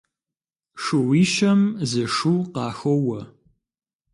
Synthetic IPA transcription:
ʂɨwiːʃɐmzɨʂuːqɑːxowɐ

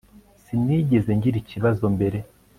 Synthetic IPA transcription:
siniɟe̞ze̞ɲɟiɾiciβazo̞mbe̞ɾe̞

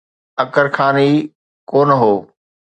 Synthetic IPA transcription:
ɐkəɾxaːniː | koːnəɦoː

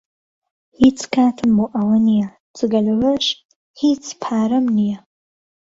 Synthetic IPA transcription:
hit͡sʰkʰaːtʰɨmːuʔɐwɐnija | t͡sʰʼɨɡɐlɐwɐʂ | hit͡sʰpʰaːɾɐmnija

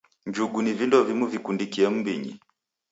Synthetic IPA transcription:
ɲd͡ʒuɡunivindɔvimuvikundikiɛm̩biɲḭ

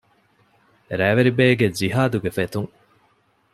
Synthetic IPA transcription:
ɾæːʋeɾibeːɡed͡ʒiɦaːd̪uɡefet̪uŋ

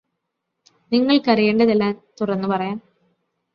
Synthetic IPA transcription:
niŋːɐɭkɐrijeːɳɖɐðelːaːnt̪urɐnːɨpɐrɐjaːn

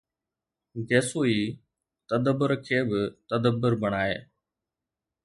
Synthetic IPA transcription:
ɡeːsoːiː | t̪əd̪əbːʊɾkʰeːbɪt̪əd̪əbːʊɾbəɽ̃aːḛː

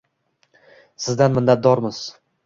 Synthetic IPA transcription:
sɪzd̪anmɪnːat̪̚d̪ɒɾmɪz̥

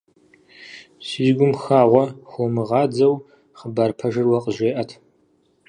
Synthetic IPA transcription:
siːzɡʷʊmxaːʁʷɔxʷomɨʁɑːd͡zɐw | χəbaːrpʰɐʒɨrwɐqʼəʒeːʔɐtʰ

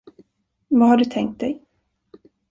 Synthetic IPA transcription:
vahaɖɵt̪ʰɛŋk̚t̪̚d̪ɛj

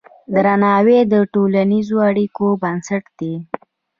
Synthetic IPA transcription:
d̪ɾanɑwed̪əʈolanizoaɽikobansaʈd̪̥e

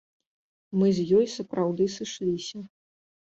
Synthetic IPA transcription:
mɨzʲjɔjsɐpɾawd̪ɨsɨʂlʲisʲɐ

